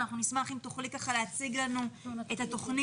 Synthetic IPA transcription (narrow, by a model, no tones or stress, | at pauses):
naχnunismaχimt̪oχlikaχaleat͡siɡlanue̞t̪hat̪o̞χni